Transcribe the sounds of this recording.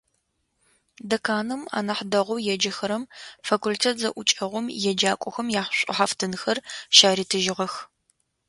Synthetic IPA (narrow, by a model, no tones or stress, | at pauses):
dɐkʰaːnɨma̰ːnɐħdɐʁʷʊwjɛd͡ʒɐxɐɾɐmfaːkʰʷultʰeːtʰzɐʔʷʊt͡ʃʼɐʁʷʊmjɛd͡ʒaːkʷʼʊxɐmjaːħɕʷʼɪ̰ħaftʰɨnɨxɐrʃaːɾiːtʰɨʒɪʁɐx